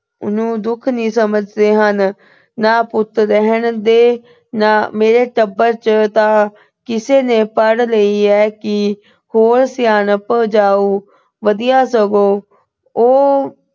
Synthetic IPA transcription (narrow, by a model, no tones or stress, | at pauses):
ʊ̰nũːd̪ʊkʰnĩːsəməd͡ʒd̪eːɦənː | aːpʊt̪ɾəɦəɳd̪eː | naːmeːɾeːʈəbːəɾt͡ʃt̪ãː | kɪseːneːpəɽləiːɛːkɪ | hoːɾsɪjaːnpəːd͡ʒaːuː | ʋəd̪ijaːsəɡoː | oː